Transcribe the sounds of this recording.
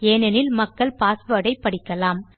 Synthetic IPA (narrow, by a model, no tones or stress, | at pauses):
eːnɛnɪlmɐkːɐɭpaːsʋɐɽɐɪpːɐɽɪkːɐlaːm